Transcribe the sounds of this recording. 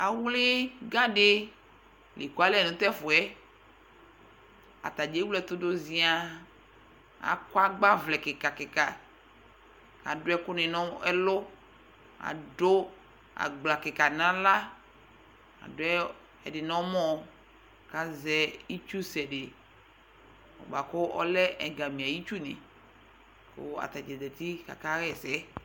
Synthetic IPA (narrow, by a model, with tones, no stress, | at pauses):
a˨wle˦ɡã˦ɖe˦ | le˨ku˦a˨˦lɛ˨nũ˨t̪ɛ˦fo˨ɛ˦ | a̰˨t̪a˨d͡ʒe˦wlɛ˦t̪o˦do˦zi˦a˦ | a̰˨ka˦ɡ͡ba˦vlɛ˨ke˨ka˨ke˨ka˨ | a̰˨ɖo˦ɛ˦ko˦nẽ˨nɔ̃˦ɛ˦lo˦ | a̰˨ɖo˦ | a̰˨ɡ͡bla˨ke˨ka˨nã˦la˦ | a̰˨dʊ˦ɛ˦ | ɛ̰˨dɪ˨nɔ̃˦mɔ̃˦ | ka˦zɛ˦i˦t͡ʃu˦sɛ˨ɖe˨ | ɔ̰˨ba˨kʊ˦ʔɔ̰˦lɛ˦ɛ˨ɡa˨mĩ˨a˨ji˦t͡ʃu˦nḛ̃˨ | ko̰˦a̰˨t̪a˨d͡ʒɛ˨d̪ɛ˨t̪i˦ka̰˨ka˦ɣɛ˨sɛ˦